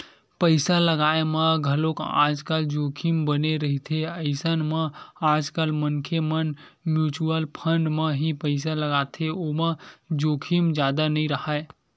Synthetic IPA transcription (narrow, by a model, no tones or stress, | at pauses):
pəɪsaləɡaeməɡʱəloka̰d͡ʒkald͡ʒokʰimbəneɾəɦit̪ʰeəɪsənmə̃ad͡ʒkalmənkʰemən | mjut͡ʃuəlpʰəɳɖməɦipəɪs̬aləɡat̪ʰeoməd͡ʒokʰimd͡ʒad̪anəiɾəɦae